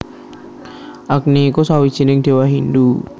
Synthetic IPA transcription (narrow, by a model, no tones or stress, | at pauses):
ʔak̚niːkusawid̥ʒ̥i̤nɪŋd̥̪e̤waɦind̪u